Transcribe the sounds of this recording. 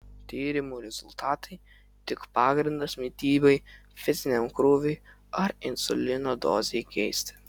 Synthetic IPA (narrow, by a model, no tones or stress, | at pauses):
t̪ʲiːɾʲɪmuːɾʲɛz̥ʊlʲt̪aːt̪ʰɐɪ | t̪ʲɪkpɑːɡɾʲɪnd̪ɐsmʲit̪ʲiːbɛjfʲɪsʲnʲɛmkɾuʋʲʊj | ɐɾɪnsʊlʲɪnod̪o̰ːzʲɛjkʲɛjsʲt̪ʲ